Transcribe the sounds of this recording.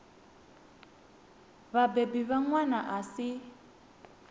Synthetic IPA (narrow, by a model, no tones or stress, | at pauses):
βabebiβaŋwanaʔasi